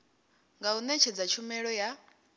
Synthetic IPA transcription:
ŋɡaunɛt͡ʃʰɛd͡zat͡ʃʰumɛɺɔja

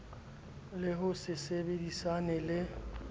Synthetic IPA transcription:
lɪɦʊsɪsebedisanɛlɪ

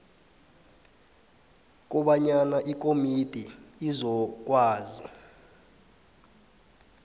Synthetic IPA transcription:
k̬ɔɓaɲanaʔik̬ʼomid̥ʱiːzɔk̬waːzi

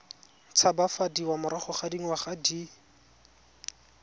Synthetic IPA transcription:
t͡sʰabafadiwamʊɾaχɔχadiŋ̩waχadi

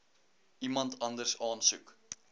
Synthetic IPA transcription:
ʔimɐntʰɐndərsɑːnsʉk

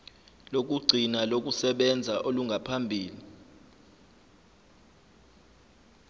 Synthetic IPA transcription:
lok̬ʼuɡ͡ǀʱinalok̬ʼusɛɓɛnd͡zʱaʔoluŋɡʱapʰambʱiːli

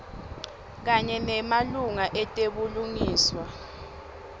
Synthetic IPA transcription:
k̬aɲɛnɛmaluŋaʔɛtʼeɓuluŋiːswa

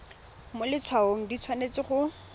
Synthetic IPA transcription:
mʊlɪt͡sʰwaoŋ̩dit͡sʰwanet͡sɪχʊ

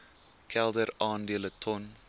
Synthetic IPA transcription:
kʰɛlˠdəɾɑːndiələtʰɔn

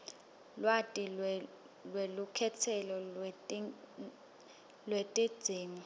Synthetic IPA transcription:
lwatʼi | lwelukʰɛtʰɛlɔ | lwetʼid̥z̥ʱiːŋɔ

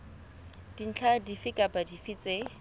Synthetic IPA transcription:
d̥in̩t͡ɬʰadifɪkʼapʼadifit͡sʼe

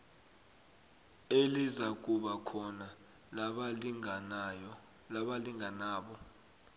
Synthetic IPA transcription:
elizak̬uɓakʰɔna | aɓaliŋanɔ | laɓaliŋanaːɓɔ

